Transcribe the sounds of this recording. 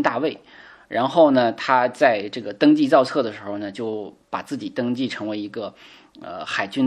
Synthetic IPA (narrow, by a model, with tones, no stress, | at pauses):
nt̪a̰˥˧we˥˩ɪ | ɻʔa˧˥nxo˥˩ʊnə˩t̪ʰa˥t͡sa˥˧ɪʈ͡ʂɤ˥˩ɡə˩t̪ɤ˥ŋt͡ɕi˥˧t͡sɑ˥˧ʊt͡sʰɤ˥˩d̪ə˩ʂɻ̩˧˥xo˧ʊnə˩t͡ɕjo˥˩ʊ | pa˨˩t͡sɹ̩˥˩t͡ɕi˨˩t̪ɤ˥ŋt͡ɕi˥˩ʈ͡ʂʰɤ˧˥ŋwe˧˥ɪi˧˥ɡə˧ | ə̰˧xa˨˩ɪt͡ɕy˥n